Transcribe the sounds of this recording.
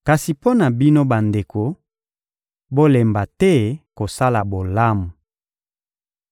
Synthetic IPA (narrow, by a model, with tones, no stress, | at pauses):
ka˨si˨po˦na˨bi˦no˦ba˨nde˨ko˨ | bo˦le˨mba˨tɛ˦ko˨sa˦la˨bo˨la˦mu˨